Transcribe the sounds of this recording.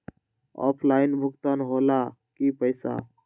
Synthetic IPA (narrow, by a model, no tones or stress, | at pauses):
ɔ̰ːpʰlaɪnbʱʊkt̪aːnɦola | kipəɪsa̰